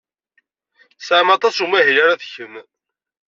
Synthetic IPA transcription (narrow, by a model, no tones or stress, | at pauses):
sʕmɑt̪ˤɑsumæɦilaɾaðçən